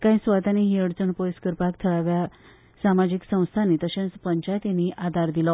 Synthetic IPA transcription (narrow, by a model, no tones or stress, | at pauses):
kaĩsʋat̪aniɦiəɽt͡səɳpojskəɾpakt̪ʰəɭaʋja | samad͡ʑiksə̃w̃st̪ʰanit̪əɕẽt͡spəɲt͡ɕajt̪iniʔad̪ʱaɾd̪ilɔ